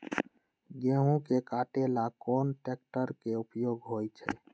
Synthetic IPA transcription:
ɡẽɦũkekaʈelakɔnʈek̚ʈəɾkeupjoɡɦojt͡ʃʰɛ̰

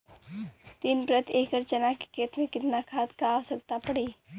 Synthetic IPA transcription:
t̪inpɾət̪ʰeːkəɾt͡ʃənaki̥kʰeːt̪mẽkɪt̪nakʰaːt̪kaːʋsək̚t̪apəɽiː

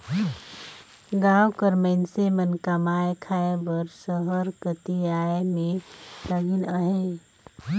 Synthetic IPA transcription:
ɡaːwkəɾməɪnsemənkamaːekʰaːebəɾsəɦəɾkət̪iaːemẽləɡɪnəɦe

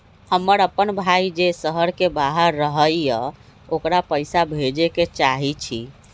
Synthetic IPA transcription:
həmːəɾəpːənbʱaid͡ʒesəɦəɾkebaɦəɾːəɦəjjə̃ | okɾapəjsabʱed͡ʒeket͡ʃaɦit͡ʃʰi

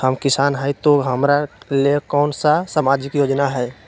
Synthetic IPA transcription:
həmkɪsaːnɦəjt̪oɦəmɾalekɔːnsasaːmaːd͡ʒɪkjoːd͡ʒnaɦɛː

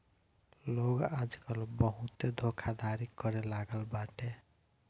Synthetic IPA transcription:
loɡad͡ʒkəlbəɦũt̪ed̪ʱokʰad̪aɾikːʌɾelaɡəlbaʈe

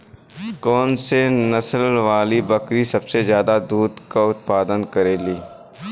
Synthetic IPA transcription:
kɔːnsenɐsəlʋaːlibɐkɾisɐbsezjaːd̪ad̪uːd̪kaʊt̪̚paːd̪ənkɐɾeːliː

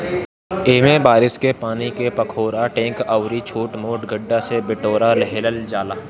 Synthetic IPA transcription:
eːmẽbaːɾɪskepaːnikepɐkʰoːɾaʈẽːkaʊɾit͡ʃʰoːʈmoːʈɡəɖːasebɪʈoːɾaləɦeːləld͡ʒaːlaː

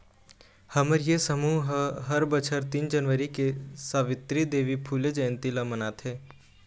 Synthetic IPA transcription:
hɐməɾjesəmuːɦɦɦəɾbət͡ʃʰəɾt̪iːnd͡ʒənʋəɾikesaːʋɪt̪ɾid̪eːʋipʰuːled͡ʒɐjə̃nt̪ilamənaːt̪ʰɦɛː

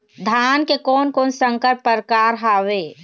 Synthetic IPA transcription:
d̪ʱaːnkekɔːnkɔːnsə̃ŋkəɾpːəɾkaːɾɦaːweː

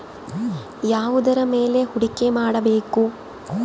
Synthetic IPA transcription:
jaːʋud̪ɐɾɐmeːle̞huɽikemaːɽɐbeːku

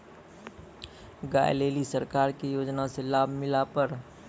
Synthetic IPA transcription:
ɡa̰ːjleːlisəɾkaːɾkijoːd͡ʒnaselaːbʱmɪlapəɾ

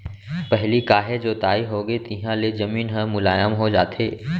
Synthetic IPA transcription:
pɛɦlikaːɦed͡ʒoːt̪aːiɦoːɡəet̪ɪɦãlezɐmiːnɦə̃mʊlaːjəmɦod͡ʒa̰ːt̪ʰḛː

